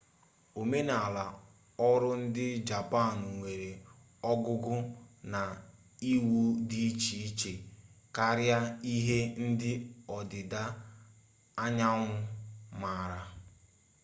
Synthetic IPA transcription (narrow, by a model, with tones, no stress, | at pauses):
o˨me˦na˨a˨la˨ | ɔ˦ɾʊ˦n̩˦dɪ˦d͡ʒa˨pa˦˨n˨ŋʷe˨ɾe˨ | ɔ˦ɡʊ˦ɡʊ˦na˨ | i˦wu˦di˦i˦t͡ʃi˨i˦t͡ʃe˨ka˦ɾja˦i˦ɦe˦n̩˦dɪ˦ɔ˨dɪ˨da˦ | a˦ɲa˦ŋʷʊ˦ma˨ɾa˦